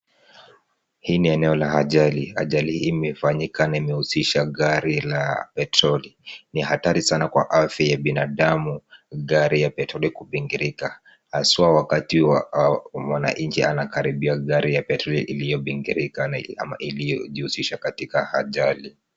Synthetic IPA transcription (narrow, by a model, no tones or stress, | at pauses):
hiːniɛnɛɔlahaʄaliha̰ʄalihimɛfaɲikanaimɛhusiʃaɠaɾilapɛtɾɔlinihataɾisanakwa̰ʔafjajaɓinaɗamuɣaɾijapɛtɾɔlikuɓiŋɡiɾika | hasuwawakatiwamwana̰ɲt͡ʃianakaɾiɓiaɠaɾijapɛtɾɔlḭʔilijɔɓiŋɡḭɾikanaa̰ma̰ʔilijɔʄihusiʃakatikahaʄali